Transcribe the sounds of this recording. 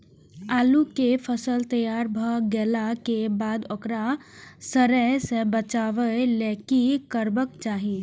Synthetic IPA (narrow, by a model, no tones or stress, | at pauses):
aːlukefʰəsəlt̪əjaːɾbʱəɡɛːlakebaːd̪okɾasəɾəsebət͡ʃaːʋəelɛːkikəɾbək̚t͡ʃaːɦi